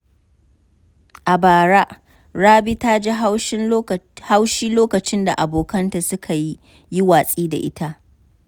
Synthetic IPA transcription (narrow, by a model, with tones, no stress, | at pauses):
ʔa˨baː˨ɽa˦ʔ | ɽaː˦bi˦ta˦d͡ʒe˦ɦa˦wʃɪ˦n˦ha˦wʃiː˦loː˦kɐ˨t͡ʃɪ˦nda̰˨ʔa˨boː˨kɐ˦nta˨sʊ˦kʰa˨ji˦ | ji˦waː˨sʼiː˦da̰˨ʔɪ˦tʰa˦ʔ